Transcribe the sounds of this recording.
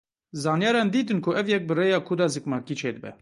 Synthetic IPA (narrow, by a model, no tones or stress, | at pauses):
zɑːnjɑːɾɑːnd̪iːt̪ɨnkʰʊʔɛvjɛk̚bɨreːjɑːkʰʊd̪ɑːzɨkmɑːkiːt͡ʃʰeːd̪ɨbɛ̰